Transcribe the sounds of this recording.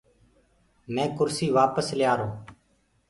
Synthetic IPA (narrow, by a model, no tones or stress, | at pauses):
mɛ̃ːkʊɾsiːʋaːpəslɪjaːɾoː